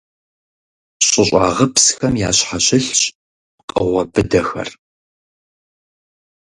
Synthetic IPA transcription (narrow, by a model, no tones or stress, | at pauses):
ɕʼɪɕʷʼa̰ːʁəpsxɐmja̰ːɕħaɕɪɬɕʼ | qʼəʁʷɐbɨdɐxɐ̰r